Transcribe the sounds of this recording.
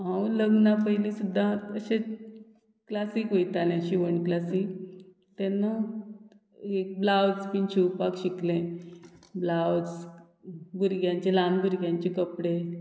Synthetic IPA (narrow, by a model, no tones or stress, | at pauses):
ɦãuləɡnapəɦilĩsud̪ʱːaəɕe | klasikɦojt̪anẽɕiʋəɳklasik | t̪ɛnːa | ek̚blawt͡spinɕiwpakɕiklẽ | blawd͡z | buɾɡjãɲt͡ɕelanbuɾɡjãɲt͡ɕekəpɽe